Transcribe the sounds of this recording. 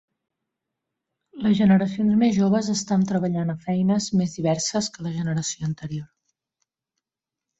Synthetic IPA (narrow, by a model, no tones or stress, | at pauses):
ləzʒənəɾəsionzmezʒoβ̞əzəst̪ant̪ɾəβ̞əʎanəfɛjnəzmezðiβɛrsəskələʒənəɾəsioənt̪əɾior